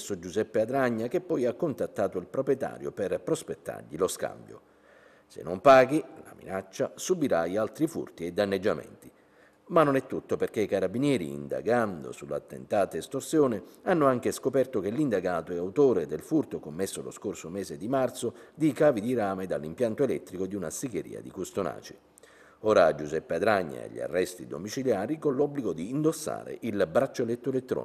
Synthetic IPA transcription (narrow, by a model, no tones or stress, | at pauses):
sːod͡ʒuzɛpːead̪ɾaɲːak̟epːɔjakːont̪at̪ːaːt̪oilpɾopɾjɛt̪a̰ːɾjo̰pɪrpɾospet̪ːa̰rʎiloska̰mbjo̰ | sḛnːompaːɡila̰mḭnat͡ʃːasubiɾaialt̪ɾifṵrt̪iɛd̪ːanːed͡ʒːamɛ̰nt̪i | manːonɛt̪ːut̪ːoperk̟eikaɾabinjɛːɾḭːnd̪a̰ɡand̪o̰sulːa̰t̪ːḛnt̪aːt̪aist̪orsjoːnɪanːoaŋk̟eskopɛrt̪ok̟elːind̪aɡaːt̪oɛawt̪oːɾed̪elfurt̪okomːesːolo̰skorsomɛːzed̪imart̪sod̪ikaːvid̪iɾaːmed̪alːimpjant̪oelɛt̪ːɾikod̪iunasiɡeɾḭːa̰d̪ikust̪ona̰ːt͡ʃi̥ | ɔːɾad͡ʒuzɛpːead̪ɾaɲːa̰ḛʎːḭa̰rːɛst̪id̪omit͡ʃiljaːɾikonlːɔbːliɡod̪iːnd̪osːa̰ːɾḛʔilbɾat͡ʃːoelɛt̪ːoelet̪ːɾɔ̰ːn